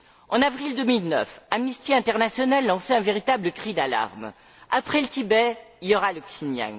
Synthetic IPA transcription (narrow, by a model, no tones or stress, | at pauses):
ɑ̃navʁild̪əmilnœ̰famnist̪iɛ̃t̪ɛʁnasjɔnalːɑ̃sɛɛ̃veʁit̪abləkχid̪ala̰ʁm | apχɛlət̪ibɛijɔʁaləksinja̰ŋ